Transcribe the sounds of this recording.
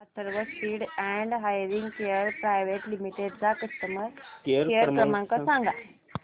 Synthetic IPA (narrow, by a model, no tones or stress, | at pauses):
asəɾʋəspiːɽæɛɳɖɦajɾiŋɡkeəɾpɾajʋeʈlimiʈeɖt͡sakəst̪əməɾkɾkeəɾkɾəmãŋkəsaŋɡa